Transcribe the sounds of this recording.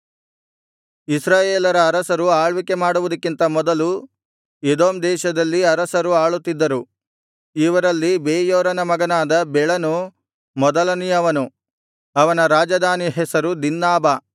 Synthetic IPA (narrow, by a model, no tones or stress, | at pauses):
isɾaːjeːlɐɾɐːɾɐsɐɾuaːɭʋike̞maːɽuʋud̪ɐkːint̪ɐmɔd̪ɐlu | ed̪oːmd̪ɛːʃɐd̪ɐlːiɐɾɐsɐɾuaːɭut̪ːid̪ːɐɾu | iʋɐɾɐlːibeːjoːɾɐnɐmɐɡɐnaːd̪ɐbɛɭɐnu | mɔd̪ɐlɐnijɐʋɐnu | ɐʋɐnɐɾaːd͡ʒɐd̪aːniɦɛsɐɾud̪inːaːbɐ